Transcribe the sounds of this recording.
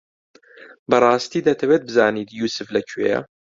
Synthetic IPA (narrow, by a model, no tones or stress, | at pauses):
bɐrˤɑːst̪iːd̪ɐt̪ʰɐwet̪̚bɨzaːniːt̪juːsɨflɐcʰwḛjɐ̰